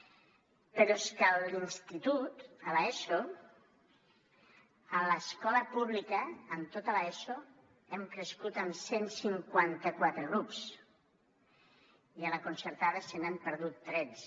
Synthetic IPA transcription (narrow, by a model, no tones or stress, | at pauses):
pəɾɔeskəlinst̪it̪ut̪əlaeso | ələskɔləpuβlikəːmt̪ot̪alaeso | ɛmkɾeskut̪əmsensiŋkwant̪əkwat̪ɾəɣɾups | ialakunsəɾt̪aðəsenɛmpəɾðut̪ːɾɛs